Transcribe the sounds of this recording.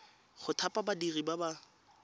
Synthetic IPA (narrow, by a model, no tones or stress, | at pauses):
χʊtʰapʼabadiribaba